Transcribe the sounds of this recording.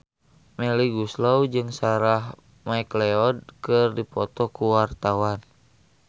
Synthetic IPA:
mɛliɡuslowd͡ʒɨŋsaɾah | maklɛɔd̚kɨrdipɔt̪ɔkuwart̪awan

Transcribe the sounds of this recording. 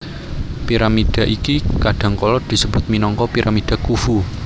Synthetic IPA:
piɾamiɖ̪̥a̤ʔikikaɖ̥ä̤ŋkɔlɔd̪̥i̤səb̥ʊ̤t̪̚minɔŋkɔpiɾʔamid̪̥a̤kufu

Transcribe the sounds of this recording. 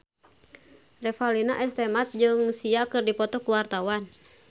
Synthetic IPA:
rɛfalinaʔɛst̪ɛmat̪̚d͡ʒɨŋsiakɨrdipɔt̪ɔkuwart̪awan

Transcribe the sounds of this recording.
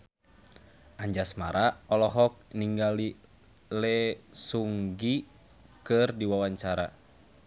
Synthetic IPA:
aɲd͡ʒasmaɾaɔlɔɦɔk̚niŋɡali | lɛsuŋɡi | kɨrdiwawaɲt͡ʃaɾa

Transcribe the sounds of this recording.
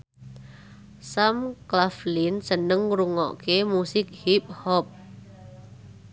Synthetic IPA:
samklaflinsənəŋɾuŋɔ̰ʔkemusɪk̚hip̚hɔp̚

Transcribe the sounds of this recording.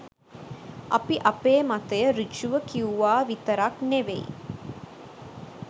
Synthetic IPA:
ʔɐpiʔɐpeːmat̪ɐjəɾit͡ʃuʋəkiuʋaːʋit̪əɾakneʋḛj̰

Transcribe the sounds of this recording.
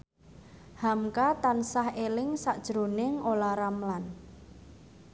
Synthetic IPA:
hamkat̪ansahelɪŋsaʔd̥ʒ̥ɾonɪŋolaɾamlan

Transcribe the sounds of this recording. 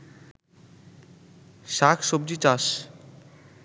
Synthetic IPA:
ʃakʰʃobd͡ʑit͡ɕaʃ

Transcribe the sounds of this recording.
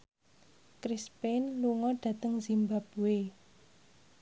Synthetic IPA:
kɾispenluŋɔɖ̥ä̤t̪əŋzimbap̚uwe

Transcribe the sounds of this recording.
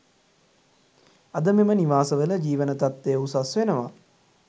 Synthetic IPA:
ɐd̪əmeməniʋaːsəʋələd͡ʒiːʋənət̪at̪ːejusasʋenəʋa

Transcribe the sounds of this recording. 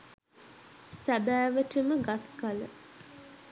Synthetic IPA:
sæbæːʋəʈəməɡat̪kalə̰

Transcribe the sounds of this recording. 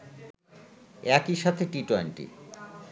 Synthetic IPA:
ɛkiʃat̪ʰeʈiʈɔjnʈḭ

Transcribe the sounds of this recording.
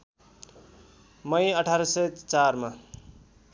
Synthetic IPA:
mʌjʌʈʰaɾʌsʌjt͡saɾma

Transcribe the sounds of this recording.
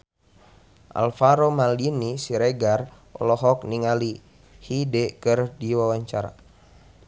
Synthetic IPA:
ʔa̰lfaɾomalinisiɾɛɡar | ɔ̰lɔɦɔk̚niŋali | hidɛkɨrdiwawaɲt͡ʃaɾa̰

